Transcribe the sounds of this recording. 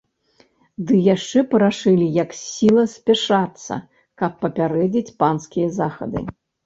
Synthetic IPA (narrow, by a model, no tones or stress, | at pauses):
d̪ɨjaʂt͡ʂɛpɐɾaʂɨlʲijɐksʲilˠɐsʲpʲaʂat̪sːɐ̰ | kɐpːɐpʲaɾɛd͡zʲit͡sʲpanskʲijɐzaxɐ̰d̪ɨ̰